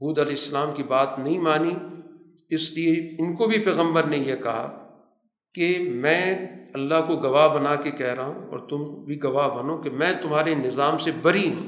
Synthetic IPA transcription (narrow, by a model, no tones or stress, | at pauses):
buːd̪ɐlɛːsːɐlaːmkibaːt̪nɐɦĩmaːni | ɪslieɪnkobʱipɛːɣə̃mbəɾnejekɐɦa̰ | kemɛ̃ːɐlːaɦkoɡɐʋaːɦbɐnaːkekɛɦɾɐɦṵ̃ɔ̰ːɾt̪ʊmkbʱiɡɐʋaːɦbɐnokemɛ̃ːt̪ʊmɦaːɾenɪzaːmsebɐɾĩː